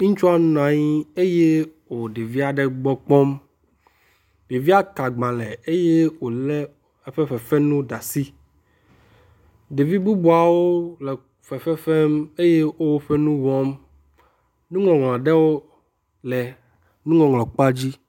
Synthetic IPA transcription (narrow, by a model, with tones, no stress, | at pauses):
ŋũ˦t͡ʃu˦a˦nũ˦nã˨ɲĩ˦e˦je˦wo˨ɖe˨vi˦a˨ɖɛ˦ɡ͡bɔ˦k͡pɔ˦m | be˨vi˦a˦ka˨ɡ͡bã˨lɛ˨e˦je˦wo˨lɛ˦ | e˦ɸɛ˦ɸɛ˨fɛ˦nũ˦ɖa˨si˦ | ɖe˨vi˦bu˦bu˨a˨wo˦lɛ˨ | fɛ˨ɸɛ˦fɛ˦me˦je˦wo˦wo˦ɸɛ˦nũ˦wɔ̃˦m | nũ˦ŋɔ̃˨ŋɔ̃˨ã˨ɖɛ˦wo˦ | lɛ˨ | nũ˦ŋɔ̃˨ŋlɔ̃˨k͡pa˦d͡ʑi˦